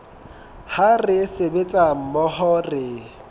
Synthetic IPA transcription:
harɪsebet͡sʼam̩mɔhɔrɪ

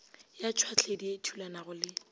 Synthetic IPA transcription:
jat͡ʃʰwat͡ɬʰedietʰulanaɣʊlɪ

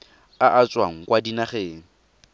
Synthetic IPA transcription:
aʔat͡sʼwaŋ̩kʼwadinaχeːŋ̩

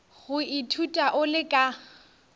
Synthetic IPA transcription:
ɣʊɪtʰutʼaʔʊlɪkʼa

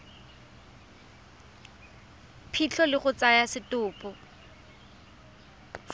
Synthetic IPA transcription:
pʰit͡ɬʰɔlɪχʊt͡sajasɪtʼʊːpʼɔ

